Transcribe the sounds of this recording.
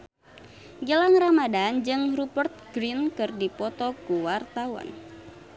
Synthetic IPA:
ɡəlaŋramadand͡ʒɨŋrupərt̪̚ɡɾinkɨrdipɔt̪ɔkuwart̪awa̰n

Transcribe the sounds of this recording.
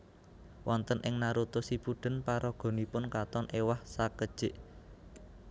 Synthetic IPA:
wɔnt̪ənʔɪŋnaɾut̪ʊsipuɖ̥ə̤npaɾʔɔɡ̥ɔ̤nipʊnkat̪ɔnʔewahsakəd̥ʒ̥ɪʔ

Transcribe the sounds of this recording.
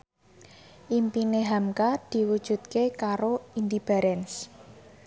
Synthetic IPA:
ʔimpineɦamkad̪̥i̤wud̥ʒ̥ṳt̪̚kekaɾoind̪ib̥a̤ɾɛns

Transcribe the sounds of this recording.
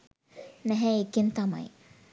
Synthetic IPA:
nɛɦɛekint̪ama̰j

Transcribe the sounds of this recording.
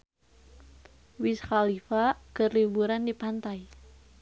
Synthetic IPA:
wisxalifaɡ̥ərlibuɾandipant̪aj

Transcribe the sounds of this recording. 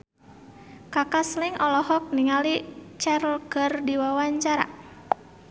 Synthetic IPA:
kakasliŋʔɔlɔɦɔk̚niŋalit͡ʃɛɾlkərdiwawaɲt͡ʃaɾa̰

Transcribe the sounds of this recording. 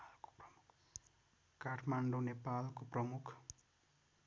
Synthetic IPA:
lko̥prʌmuk | kaʈʰmaɳɖonepalkoprʌmukʰ

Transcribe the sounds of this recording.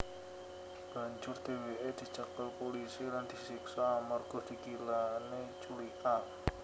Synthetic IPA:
d̪̥ | ib̥a̤ɲd͡ʒʊrd̪̥eweʔed̪̥i̤t͡ʃəkəlpolisiland̪̥i̤siksaːmarɡ̥ɔ̤d̪̥i̤kilanet͡ʃulika

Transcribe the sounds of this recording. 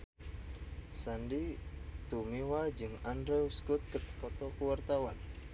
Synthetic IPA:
sandit̪umiwad͡ʒɨŋandɾɛuskut̪̚kət̪ə̥kɔt̪ɔkuwart̪awan

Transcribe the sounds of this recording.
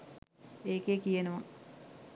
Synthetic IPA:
eːkekijenəʋa

